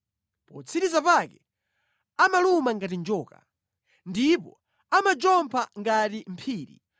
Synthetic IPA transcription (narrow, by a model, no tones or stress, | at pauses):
pɔt͡sʰiɾizapakɛ | amalumaŋɡat̬ind͡ʒɔːka̰ | ndipɔ | amad͡ʒɔmpʰaŋɡatim̩pʰiːɾḭ